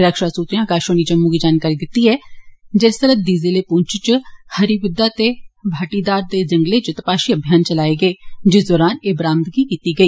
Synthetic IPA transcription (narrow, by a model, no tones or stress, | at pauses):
ɾəkʃaːsuːt̪ɾijãːkaːʃoːniːd͡ʒəmːuːɡiːd͡ʒaːnkaːɾiːd̪ɪt̪ːiːɛːd͡ʒest̪əɾət̪̚d̪iːzeleːpʊɲt͡ʃt͡ʃhəɾibʊd̪ːaːt̪eːbʱaːʈiːd̪aːɾd̪eːd͡ʒəŋɡleːt͡ʃət̪əpaːʃiːəbʱjaːnt͡ʃəlaːeːɡəeːd͡ʒɪsd̪ɔːɾaːneːbɾãːnt̪ɡiːkiːt̪iːɡəiː